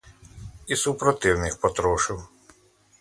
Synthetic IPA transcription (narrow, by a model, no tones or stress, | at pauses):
isupɾɔt̪ɪwnɪxpɔt̪ɾɔʃɪw